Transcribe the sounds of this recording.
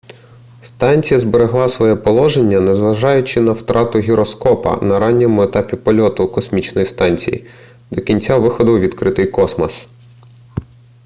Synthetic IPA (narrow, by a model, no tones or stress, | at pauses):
st̪ɑnʲt͡sʲijɐzbeɾeɦlˠɑsʋɔjɛpɔlˠɔʒenʲːɐnɛzʋɐʒɑjʊt͡ʃɪnɐwt̪ɾʔɑt̪ʊɦʲiɾɔskɔpɐ̰nɐɾɑnʲːɛmʊet̪ɑpʲipɔlʲɔt̪ʊkɔsmʲit͡ʃnɔjist̪ɑnʲt͡sʲḭjḭ | d̪ɔkʲinʲt͡sʲaʋɪxɔd̪ɔwʋʲid̪kɾɪt̪ɪjkɔsmɐs